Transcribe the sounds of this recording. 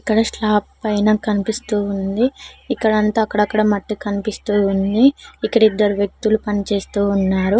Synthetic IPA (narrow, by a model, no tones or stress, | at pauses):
ikːɐɽɐʂɭaːpːɐjnɐːkɐnipist̪uːund̪iːkːɐɽɐnt̪aːɐkːɐɽɐkːɐɽɐmɐʈːikɐnipist̪uːund̪iːkːɐɽid̪ːɐɾuʋjɐk̚t̪ulupɐnit͡ʃe̞ːst̪uːnːaːɾu